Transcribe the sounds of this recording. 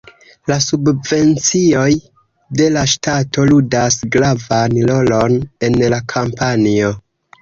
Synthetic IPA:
lasubve̞nt͡sio̞j | de̞laʃtatʰo̞ludasɡɾavanlo̞lo̞ne̞nlakʰampanio̞

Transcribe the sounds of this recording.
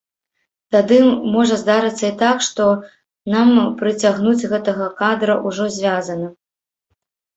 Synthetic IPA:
t̪ad̪ɨmɔʐɐzd̪aɾɨt̪sːɐit̪akʂt̪ɔ | nampɾɨt͡sʲaɣnud͡zʲɣɛt̪ɐɣɐkad̪ɾɐʔuʐɔzʲvʲazɐnɐ

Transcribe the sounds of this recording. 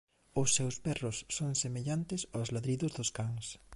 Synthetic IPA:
ʊsːewspɛrʊsːoŋsemeʎant̪ɪsozlaðɾiðʊzðʊskaŋs

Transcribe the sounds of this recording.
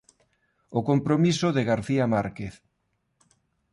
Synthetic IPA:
ʊkompɾomisʊðeɣaɾθiamaɾkeθ

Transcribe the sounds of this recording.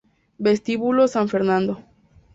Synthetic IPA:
best̪iβulosaɱfeɾnãnd̪o

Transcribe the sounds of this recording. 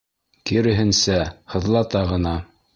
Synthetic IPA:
kiɾɘ̆ɦɘ̆nsæhɤ̆ðlˠɑt̪ɑʁɤ̆nɑ

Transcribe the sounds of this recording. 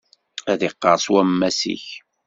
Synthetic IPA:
æðɪqːəɾˤswæmːæsḭç

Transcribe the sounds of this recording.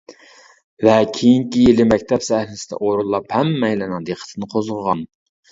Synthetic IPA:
vɛkʲʰejiŋkʲijelɪmɛk̚ʲt̪ʰɛpsɛhlɪsɪ̥d̪ɛ̰ʔoɾulˠːɑphɛmːɛjlɪnɨŋd̪eqʰə̥t̪ʰɨnɨqʰozʁəʁɑn

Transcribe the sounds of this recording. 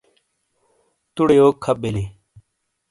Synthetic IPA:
t̪uɽejoːkʰːɐɓeli

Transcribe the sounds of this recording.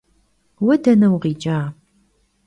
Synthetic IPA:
wɐdɐnɐwʁiːd͡ʒaː

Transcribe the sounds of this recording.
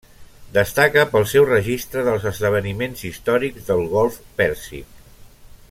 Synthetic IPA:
d̪əst̪akəpəlˠsɛwrəʒist̪ɾəðəlˠzəzðəβ̞ənimenzist̪ɔɾiɡzðəlˠɣɔlˠfpɛɾsḭ

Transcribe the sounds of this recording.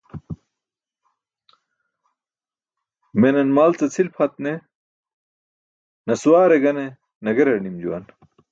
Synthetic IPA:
menɐnmaːlt͡sɐt͡sʰilpʰɐt̪ne | nɐsuwaːɾeɡɐne | nɐɡɐɾɐɽnimd͡ʑuwɐ̰n

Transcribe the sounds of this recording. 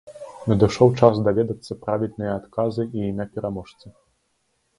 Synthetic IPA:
nʲɐd̪ɨʂɔwt͡ʂasd̪avʲɛd̪ɐt̪sːɐpɾavʲilʲnɨjɐːt̪kazɨiinapʲɛɾamɔʂt̪sɨ

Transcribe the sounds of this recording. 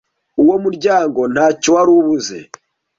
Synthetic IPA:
uwo̞muɾɟaːŋɡo̞n̥haːcowaɾuβuze̞̰

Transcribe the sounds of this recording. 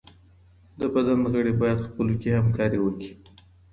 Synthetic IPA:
d̪əbad̪anɣəɽebɑjad̪xpəlokehamkɑɾiwəki̥

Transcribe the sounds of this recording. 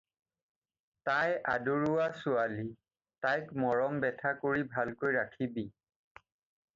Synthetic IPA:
tajʔa̰duɹʊasʊali | tajkmɔɹɔŋbɛtʰakoɹibʱalkojɹakʰibi

